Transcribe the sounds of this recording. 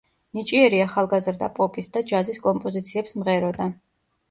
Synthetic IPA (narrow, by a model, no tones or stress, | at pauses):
nit͡ʃʼiɛɾiaχalˠɡazɾd̪a̰pʼɔpʼisd̪ad͡ʒaziskʼɔmpʼɔzit̪sʰiɛpsmʁɛɾɔd̪a